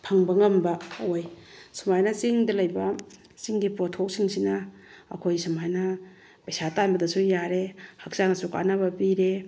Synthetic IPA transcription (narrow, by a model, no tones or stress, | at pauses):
pʰaŋbɐŋɐmbɐojsumajnɐt͡ʃiŋdɐlɐjbɐ | t͡ʃiŋɡipɾotʰok̚siŋsina̰ː | kʰojsamajnɐ | pajsatanbɐdɐsujaɾehak̚sanasuka̰nɐbɐpiɾe